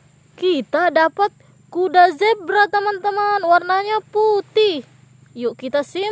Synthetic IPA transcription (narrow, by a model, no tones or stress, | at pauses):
kit̪adapat̪̚ | kudazɛp̚bəɾat̪əmant̪əmanwarnaɲaput̪ɪh | juʔkit̪asɪ